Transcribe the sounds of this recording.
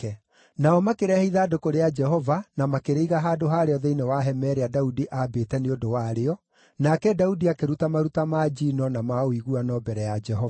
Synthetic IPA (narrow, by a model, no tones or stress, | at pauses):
ɛ | naɔmakeɾɛhiðaːdokoɾead͡ʒɛɦɔvanamakeɾeiɣaɦaːdoɦaːɾeɔðeinewaɦɛmɛɾeadaudiʔabetɛneodowaɾeɔ | nakɛdaudiakeɾutamaɾutamad͡ʒinɔnamaoiɣuanɔbɛɾɛjad͡ʒɛhɔva